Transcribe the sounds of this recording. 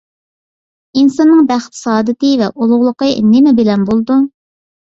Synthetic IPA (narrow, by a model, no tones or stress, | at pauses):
insɑnːɨŋbæχt̪ʰɨ̥sɑːd̪ɨt̪ɨvɛʔolˠʊʁlˠəqənɪmɛbɪlɛnbolˠd̪u